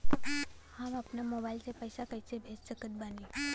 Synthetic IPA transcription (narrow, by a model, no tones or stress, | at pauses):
hamɐpnamoːbaːɪlsepəjsakɐjsebʱeːd͡ʒsəkət̪̚baːniː